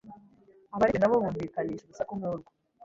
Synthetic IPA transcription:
aβaɾiinaβoβuːɱviːkaniːʃeɡusakumuːɾɡo

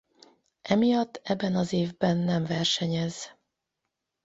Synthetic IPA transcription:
ʔɛmijɒt̪ːɛbːɛnɒzeːvbɛnːɛmvɛrʃɛɲɛz

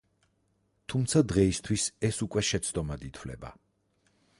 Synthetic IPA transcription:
t̪ʰumt̪sʰad̪ʁɛist̪ʰwisɛsukʼwɛʃɛt̪sʰd̪ɔmad̪it̪ʰwlɛ̰ba̰

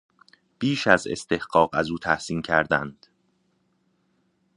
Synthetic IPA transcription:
b̥iːʃæzḛst̪e̞hɢɒːɢæzuːt̪ʰæhsiːncʰæɾd̪æ̰nd̪̥

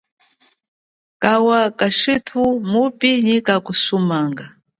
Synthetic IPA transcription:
kawakaʃitʰumupiɲikakusumaŋɡa

